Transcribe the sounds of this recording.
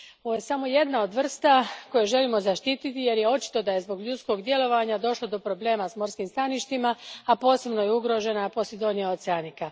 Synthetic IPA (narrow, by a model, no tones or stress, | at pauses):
oʋoje̞samo̞je̞d̪nao̞d̪ʋr̩st̪ako̞jeʒe̞limo̞zaʃt̪iːt̪it̪ije̞ɾje̞o̞t͡ʃi̥t̪o̞d̪aje̞zbo̞ɡʎut̪sko̞ɡd̪jelo̞ʋaɲad̪o̞ʃlod̪o̞pɾo̞ble̞ːmasmo̞ɾskiːmst̪aniʃt̪imaapo̞ːse̞bno̞jeuɡɾo̞ʒe̞napo̞sjed̪o̞nieot̪seanika